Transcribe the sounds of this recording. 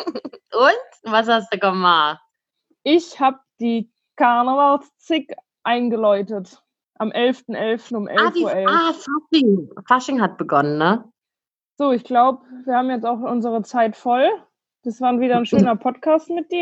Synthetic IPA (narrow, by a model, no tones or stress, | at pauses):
ʔʊntvas̬hastd̥uːkɔma | ʔɪçhaːb̚d̥iː | kʰaɐnəvalst͡sɪk | ʔaɪnɡəlɔʏtət | ʔamʔɛlftn̩ʔɛlftn̩ʊmʔɛ̰lfviuːɐɛlafaʃɪŋfaʃɪŋɦat̚b̥əɡɔnənːə | z̥oːɪçɡ̥laʊbəviːɐhaːbmjɛt͡staʊxʔʊnzəʁ̞ət͡saɪtfɔl | d̥asv̥aːnviːdɐnʃøːnɐpʰɔtkʰaːstmɪt̚d̥iːɐ